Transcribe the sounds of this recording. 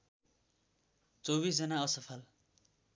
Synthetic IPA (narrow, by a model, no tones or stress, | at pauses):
t͡sʌwbisd͡zʌnaʌsʌpʰʌl